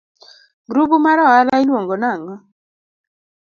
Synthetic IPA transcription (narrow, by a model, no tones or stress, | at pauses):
ɡɾubumaɾɔalailwoŋɡɔnaŋɔ